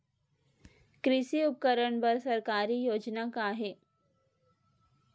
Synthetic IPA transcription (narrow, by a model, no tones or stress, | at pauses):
kɾɪʃiʊp̚kəɾəɳpɐɾsɐɾkaːɾijoːd͡ʒnakaɦɛː